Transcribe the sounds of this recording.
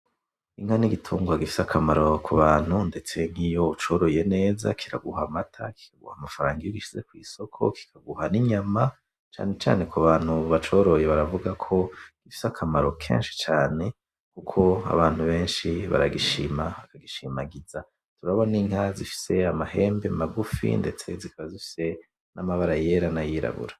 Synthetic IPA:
iŋ̥aniɡitʰuːŋɡwaɡifi̥sakʰamaɾo̞kʰuβaːn̥hunde̞t͡se̞ŋ̥ijo̞ut͡ʃo̞ːɾo̞je̞ne̞ːza̰kʰiɾa̰ɡuhamatʰa̰ki̥kaɡṵhamafaɾaːŋɡijoɡiʃize̞kwiːso̞kʰo̞̰ki̥kʰaɡuhaniɲama | t͡ʃa̰ːne̞t͡ʃa̰ːne̞kʰuβaːn̥huβat͡ʃo̞ːɾo̞je̞βaɾavuɡakʰo̞ɡ̥ifi̥sakʰamaɾo̞kʰḛːnʃi̥t͡ʃaːne̞ | kukʰo̞a̰βaːn̥huβe̞ːnʃiβa̰ɾaɡiʃimaβakaɡiʃimaɡiza | tuɾaβo̞niŋhazifi̥se̞amahe̞ːmbe̞maɡufḭnde̞t͡se̞zikʰaβazifi̥se̞ | namaβaɾaje̞ɾanajiɾa̰βṵɾa

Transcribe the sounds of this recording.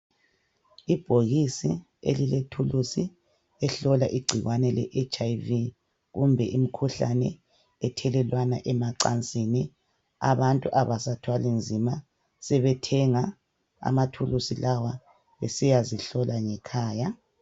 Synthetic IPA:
ib̥ʱoɣisi | ḛliletʰulusi | ɛɬɔla̰ʔiɡ͡ǀʱiɣwanɛlɛ̰ʔet͡ʃʼajvi | ɣumbʱɛʔim̩kʰuɬa̰nɛ | ɛtʰɛlɛlwana̰ʔɛmaǀant͡sʼini | a̰βantʼuʔaβasatʰwalinzʱima | sɛβɛtʰɛŋa | a̰matʰulusilawa | βesijaziɬɔlaŋɛkʰaːja

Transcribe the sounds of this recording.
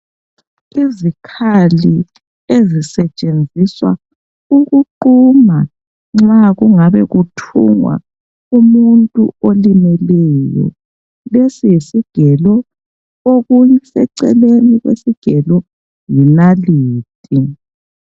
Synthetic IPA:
izikʰali | ezisɛt͡ʃʼend͡zʱiswa̰ | uɣuǃuma | ŋ͡ǁaɣuŋaβɛɣutʰṵŋwa̰ | umuntʼṵolimɛlɛjɔ̰ | lesijisiɡ̥ʱɛlɔ | oɣusɛǀɛ̰leniɣwḛsiɡ̥ʱɛlɔ | jinaliːtʼi

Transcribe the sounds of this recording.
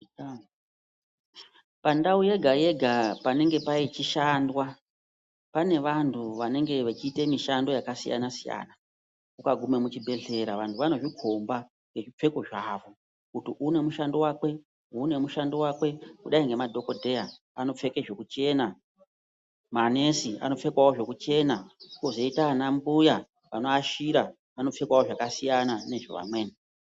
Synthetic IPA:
pandauje̞ɡʱaje̞ɡʱapane̞ŋɡe̞pait͡ʃiʃandwa | pane̞ʋantʰuʋane̞ŋɡe̞ʋet͡ʃiːte̞miʃando̞jakasḭja̰nasija̰ːna | kukaɡʱume̞mut͡ʃibʱe̞ɮe̞ɾaʋantʰuʋano̞ʐikʰo̞mba | ŋɡe̞ʐip͡fe̞ko̞ʐaːʋo̞ | kutiʔune̞muʃandowakwe̞ | une̞muʃandowakwe̞kuɗaiŋɡe̞madʱo̞ko̞dʱe̞ja | ano̞p͡fe̞keʐo̞kut͡ʃe̞na | mane̞sia̰no̞p͡fe̞kwawoʐo̞kut͡ʃe̞naukozoitanambuja | ʋano̞aʃiɾa | ano̞p͡fe̞kwawoʐakasijanane̞ʐo̰ʋa̰mwe̞ːne

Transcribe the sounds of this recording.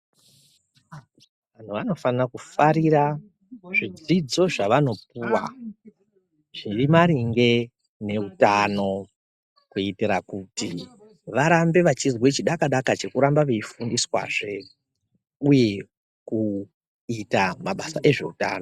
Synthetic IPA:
ʋan̤uʋano̞fanakufaɾiɾa | ʐid͡zid͡zo̞ʐaʋano̞p̚uwa̰ | ʐ̥irimaɾiŋɡe̞ | ne̞utano̞ | kuitiɾakuti | ʋaɾambe̞ʋat͡ʃizwe̞t͡ʃiɗakaɗakat͡ʃe̞kuɾambaʋeifundiswa̰ʐe̞ | uje̞ | ku | itamaɓasaʔe̞ʐe̞uta̰ːno

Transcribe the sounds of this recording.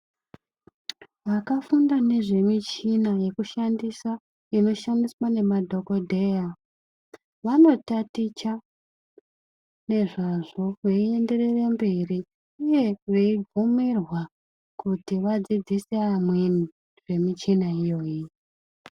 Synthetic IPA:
ʋakafundane̞ʐe̞mit͡ʃinaje̞kuʃandisa | ino̞ʃandiswane̞madʱo̞ko̞dʱe̞ja | ʋano̞tatit͡ʃa | ne̞ʐaʐo̞ʋeie̞nde̞re̞rembiri | uje̞ʋeiɡumirwa | kutiʋad͡zid͡ziseamwini | ʐ̥e̞mit͡ʃinaijo̞ːji

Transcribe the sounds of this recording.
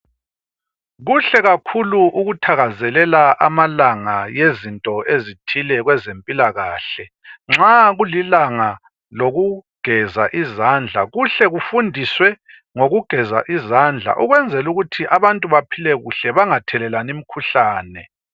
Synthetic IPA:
ɣuɬɛɣakʰuluʔuɣutʰaɣazɛlɛlaʔamalaŋajezintʼɔezitʰilɛɣwɛzempʼilaɣaːɬɛ | ŋ͡ǁaɣulilaŋa | loɣuɡ̥ʱɛzaʔizand͡ɮʱaɣuɬɛɣufundʱiswɛ | ŋoɣuɡ̥ʱɛza̰ʔizand͡ɮʱa̰ʔuɣwɛnd͡zʱɛluɣutʰiʔaβantʼuβapʰilɛɣuɬɛβaŋatʰɛlɛlanim̩kʰuɬaːnɛ

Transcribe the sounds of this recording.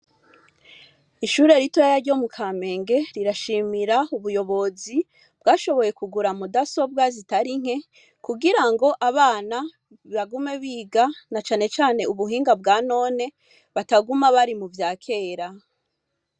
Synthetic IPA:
iʃuɾe̞ɾitoajaɾɟo̞mukʰaːme̞ːŋɡe̞ɾiɾaʃiːmiɾauβujo̞βo̞zi | b̥ɡaːʃo̞βo̞je̞kuɡuɾamudaso̞b̚ɡazitaɾiŋ̥he̞ | kuɡiɾaŋɡo̞ʔaβaːna | iβaɡume̞βiːɡanat͡ʃaːne̞t͡ʃaːne̞uβuɦiːŋɡab̚ɡaːno̞ːne̞ | βataɡumaβaɾimuvjaːkʰe̞ːɾa

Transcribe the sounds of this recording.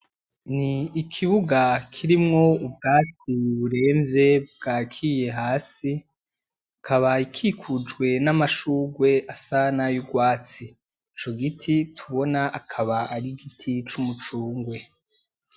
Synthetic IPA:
niːkʰiβuɡakʰiɾimŋo̞ub̚ɡaːt͡siβuɾe̞ːmvje̞bbɡ̥aːkʰije̞ɦaːsi | kʰaβaikʰikʰud͡ʒɡwe̞namaʃuːɡwe̞ʔasanajuɡwaːt͡siː | t͡ʃo̞ɡitʰitʰuβo̞naʔakʰaβaaɾiɡitʰit͡ʃumut͡ʃuːŋɡwe̞

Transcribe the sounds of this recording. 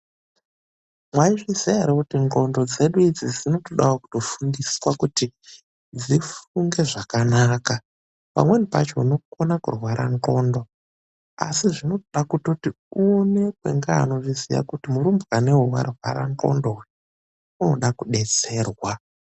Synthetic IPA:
mwaiʐizijaɾikutiŋɡo̞ndo̞d͡ze̞ɗuid͡zid͡zino̞to̞ɗawaku̥to̞fundiswakuti | d͡zifuŋɡe̞ʐakanaːka | pa̰mwe̞nipa̰t͡ʃo̞no̞kuonakurwaɾʔa̰ŋko̞ːndo̞ | a̰siʐino̞toɗakutoti | une̞kwḛŋɡaa̰no̞ʐizḭja̰kutimuɾumbɣanewuwa̰rwa̰ɾa̰nko̞̰ndoi | unoɗakuɗe̞t͡se̞ːrwa

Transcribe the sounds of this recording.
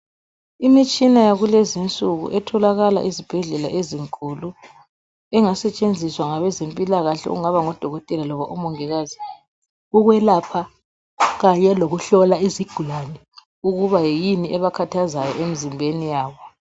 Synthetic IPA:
imit͡ʃʼinajaɣulezint͡sʼuɣṵʔɛtʰɔlaɣala̰ʔizib̥ʱɛɮɛla̰ʔeziŋkʼulu | ɛŋasɛt͡ʃʼend͡zʱiswaŋaβɛzempʼilaɣaɬɛ̰ṵŋaβaŋɔd̥ʱɔɣɔtʼɛlalɔβaʔumɔŋɛɣaːzi | uɣwɛlapʰa | ɣaɲɛloɣuɬɔlaiziɡ̥ʱulanɛ | uɣuβajejiniʔɛβakʰatʰazajɔʔemizimbʱenijaːβɔ

